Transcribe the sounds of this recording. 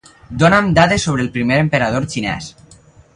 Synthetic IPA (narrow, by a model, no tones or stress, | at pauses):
d̪onamd̪aðesoβ̞ɾeːlˠpɾimeɾempeɾað̞oɾt͡ʃinɛ̰s